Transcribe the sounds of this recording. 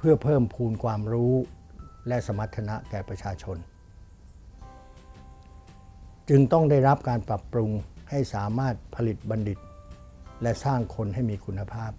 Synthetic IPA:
pʰɯ˥˩ɐpʰɤː˥˩mpʰuː˧nkʰwaː˧mɾuː˦˥ | lɛ˦˥ʔsa˧ma˦˥t̪ʰːa˧na˦˥ʔkɛː˨˩pɾa˧t͡ɕʰaː˧t͡ɕʰo˧n | t͡ɕɯ˧ŋt̪ɔ˥˩ŋda˥˩jɾa˦˥p̚kaː˧npɾa˨˩pːɾu˧ŋha˥˩jsaː˩˦maː˥˩t̪̚pʰa˧li˨˩t̪̚ba˧nli˨˩t̪̚ | lɛ˦˥ʔsaː˥˩ŋkʰo˧nha˥˩jmiː˧kʰu˧nːa˧pʰaː˥˩p̚

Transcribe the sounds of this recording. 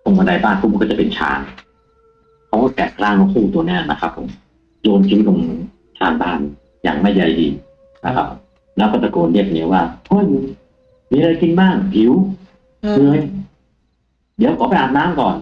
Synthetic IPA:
so˧ŋma˧nda˧jbaː˥˩ŋkʰuː˧˩˨kɔː˥˩t͡ɕa˨˩pe˧nt͡ɕʰa̰ː˧n | kʰa˦˥wkɔː˥˩t̪ɛː˨˩k̚klaː˥˩ŋmaː˧˩kʰuː˥˩t̪u˧ɐnɛː˦˥˩na̰˦˥kʰa˦˥pʰːo̰˨˩˦m | joː˧nkʰi˧˦˥lo˧ŋ | t͡ɕʰaː˧nbaː˥˩ŋ | ja̰ː˨˩ŋma˥˩ja˧˩jdḭː˧ | na˦˧˥kʰa̰˦˥p̚ | lɛː˦˥kɔː˥˩t͡ɕa˧˩koː˧nli˥˩ək̚ni˧˦˥waː˥˩ʔo˧˥˩j | miː˧ɾa˧jki˧nbaː˥˩ŋpʰi˨˩˦w | kɯ˧ə˧j | di˨˦wkʰɔː˨˦pa˧jʔaː˨˩naː˦˥˨mkɔː˨˩n

